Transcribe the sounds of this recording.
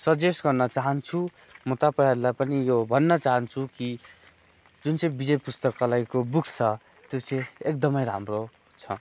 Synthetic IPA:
sʌd͡zesɡʌrnʌt͡saɦʌnt͡sʰu | mʌt̪apʌɦaɾlajpʌnijobʱʌnːʌt͡saɦʌnt͡sʰuki | d͡zunt͡sʌ̃j̃bid͡zʌjpust̪ʌkːalaikobukt͡sʰʌ | t̪jot͡sʌ̃j̃ek̚d̪ʌmʌjɾa̰mro | t͡sʰʌ̰

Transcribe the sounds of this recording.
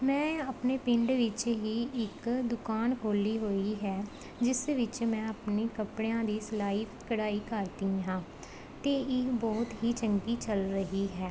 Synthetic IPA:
mɛ̃ːəpneːpɪ̃ɳɖʋɪt͡ʃɦiːɪkd̪ʊkaːnkʰoːliːɦoːiːɦɛː | d͡ʒɪsʋɪt͡ʃmɛ̃ːəpniːkəpɽejãːd̪iːsəlaːiː | kəɽaːiːkəɾt̪ĩːɦãː | t̪eːɪbɔːt̪ɦiːt͡ʃəŋɡiːt͡ʃəlɾəɦiːɦɛː

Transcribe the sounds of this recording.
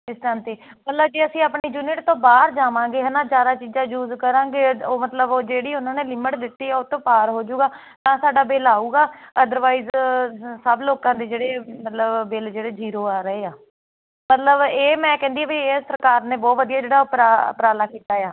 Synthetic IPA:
ɪsd̪ãːnt̪eːmət̪ləb̚d͡ʒiːəsĩːaːpɳiːd͡ʒuːnɪʈt̪õːbaːɾd͡ʒaːʋãːɡeːɦənaːd͡ʒjaːd̪aːt͡ʃiːd͡ʒãːjuːzkəɾãːɡeːoːmət̪ləboːd͡ʒeːɽiːʊnãːneːlɪməʈd̪ɪt̪ːiːɛːʊt̪õːpaːɾɦoːd͡ʒuːɡaː | t̪ãːsaːɖaːbeːlaːuːɡaːəd̪əɾʋaːiːzsəbloːkãːd̪eːd͡ʒeːɽeːmət̪ləbbɪld͡ʒeːɽeːd͡ʒiːɾoːaːɾəeːaː | mət̪ləbeːmɛ̃ːkɛ̃ːnd̪iːaːbieːsəɾkaːɾnẽːbɔːt̪ʋəd̪ijaːd͡ʒeːɽaːʊpɾaːpɾaːlaːkiːt̪aːjaː

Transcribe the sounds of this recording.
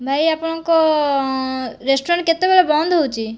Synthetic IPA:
bʱajapɔɽ̃ɔŋko | ɾesʈɔɾɳʈ̚ket̪ebelabɔnd̪ʱɦowt͡ʃʰi

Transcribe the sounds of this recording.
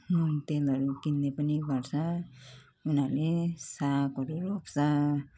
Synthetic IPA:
t̪elʌɾukind̪epʌniɡʌɾsʰʌ | unalesakʌɾuɾopsʌ

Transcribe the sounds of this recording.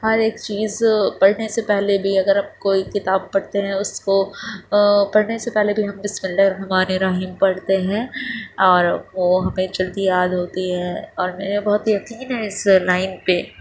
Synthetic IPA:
ɦɐɾeːkt͡ʃiːzpɐɽ̤nesepɛɦlebʱiɐɡəɾɦɐmkoːikɪt̪aːb̚pɐɽt̪eɦɛ̃ʊsko | pɐɽ̤nesepɛɦlebʱiɦɐmbɪsmɪldeɾɐɦɛmaːneɾaːɦɪmpɐɽt̪eɦɛ̃ːɔːɾʋoɦɐmẽd͡ʒɐld̪ijaːd̪ɦoːt̪iɦɛ̃ɔːɾmeːnebɐɦʊt̪jɐqiːnɦɛ̃ɪslaːɪnpe

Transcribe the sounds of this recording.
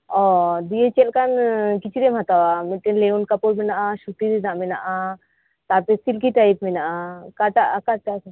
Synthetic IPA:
ɔd̪iet͡ʃelkankit͡ʃiɾemat̪awamiʈːenleunkɐpoɾminaʔaʃuʈ̪ːid̪inaʔmina̰ʔa | t̪apesilkiʈajpminaʔakaʈ̪aʔkaʈ̪as

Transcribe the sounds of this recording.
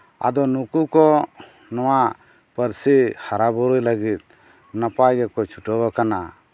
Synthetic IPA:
a̰d̪ɔnukukɔ | nɔwa | pəɾsihaɾabɔɾujləɡit̪̚ | napajɡɛkɔt͡ʃʰuʈɔbɔkana

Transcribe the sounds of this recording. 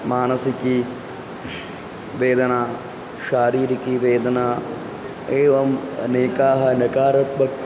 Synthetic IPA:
maːnɐsiki | ʋeːd̪ʱɐnaː | ʃaːɾiːɾikiʋeːd̪ʱɐnaː | eːʋɐmɐ̰neːkaːɦɐnɐkaːɾɐt̪̚bʱɐk

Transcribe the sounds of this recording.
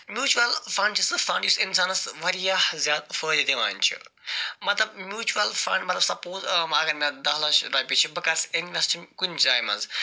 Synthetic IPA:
mʲjuːt͡ʃuɐlfɐ̃ɳɖt͡ʃʰisɨfɐ̃ɳɖjusinsaːnɐsʋɐɾijahzʲjaːd̪fəːd̪it̪iʋa̰ːnt͡ʃʰḭ | mɐt̪lɐb̚mjuːt͡ʃuɐlfɐ̰̃ɳɖmɐt̪lɐbsɐpoːzmɐɡɐɾmɐd̪aɦlaʃɾajpʲit͡ʃʰibikɐseninɐst͡ʃʰimkunt͡ʃaːjmɐ̰nz

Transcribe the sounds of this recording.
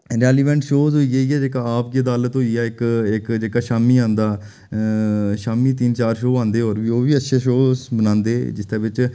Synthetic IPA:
ɾɛːliːʋɛ̃ːɳʈʃoːzɦoːiːeːiːɛːd͡ʒeːkaːaːpɡeːd̪aːlət̪ɦoːiːɛːɪkɪkd͡ʒeːkaːʃaːmiːãːnd̪aː | ʃaːmiːt̪̬iːnt͡ʃaːɾʃoːãːnd̪eːɦoːɾʋiːoːʋiːətːʃʰeːʃoːbənãːnd̪eːd͡ʒɪst̪ãːʋɪt͡ʃ

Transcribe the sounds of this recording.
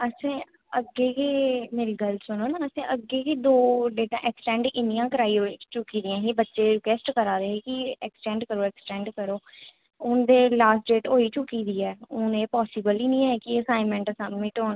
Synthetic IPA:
əsẽː | əɡːeːkeːmeːɾiːɡəlsʊnoːnaːəsẽːʔəɡeːkiːd̪oːɖeːʈãːʔɛksʈɛ̃ːɳɖɪnijãːkəɾaːiot͡ʃʊkːiːd̪ijãːɦiːbətːʃeːɾɪkwɛːsʈkəɾaːd̪eːɦeːkɪɛksʈɛ̃ːɳɖkəɾoːɛːksʈɛ̃ːɳɖkəɾoː | ʊnd̪eːlaːsʈɖeːʈɦoːiːt͡ʃʊkːiːd̪iːɛːʊnẽːpɔːsɪbəliːnĩːɛːkɪəsãːɪmɛ̃ɳʈəsãːnũːɪʈoːn

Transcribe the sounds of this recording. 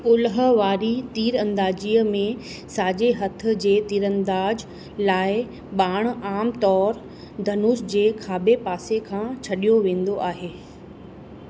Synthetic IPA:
ʊlɦə̆ʋaːɾit̪iːɾɐ̃nd̪aːd͡ʑiːəmẽ | saːd͡ʑeɦɐt̪ʰʊ̆d͡ʑeːt̪iːɾɐ̃nd̪aːd͡ʑ | laːɪ | ɓaːɽ̃aːmt̪ɔːɾ | d̪ʱɐnʊːsd͡ʑeːkʰaːbepaːsekʰãːt͡ɕʰɐɗijoʋẽːn̆d̪oʔaːɦeː

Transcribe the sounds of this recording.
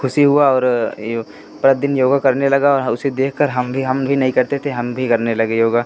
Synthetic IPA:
kʰʊsiɦuaɔːɾ | pɾɐt̪̚d̪ɪnjoːɡakɐɾnelɐɡaɔːɾɦʊsed̪eːkʰkɐɾɦɐmbʱiɦɐ̃mbʱinɐɦĩkɐɾt̪et̪ʰeɦɐmbʱikɐɾnelɐɡejoːɡaː

